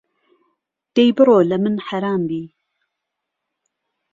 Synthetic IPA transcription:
d̪̥ejbɨɾoːlɐmɨnħaɾaːmbiː

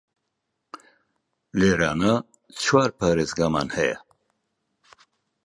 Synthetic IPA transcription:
leɾana | t͡sʰwaɾpʰaːɾezɡama̰nhɛja̰

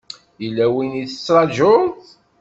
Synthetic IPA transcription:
jilːæwiniθə̥t͡sːɾˤɑd͡ʒʊ

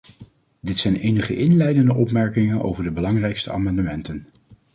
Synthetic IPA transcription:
dɪtsɛjnejnəχəʔɪnlɛjdəndəʔɔpmɛɹkɪŋənʔo̰wvəɹdəbəlɑŋrɛjkstəa̰ːmɑndəmɛntən

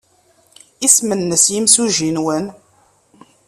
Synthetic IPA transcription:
ismənːəsjimsuʒinwən

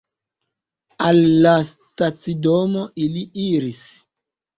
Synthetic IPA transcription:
alːas | tat͡sidomoiliiɾis

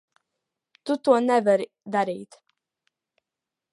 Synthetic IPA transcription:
t̪ut̪uɔnɛvəɾ | d̪aɾiːt̪

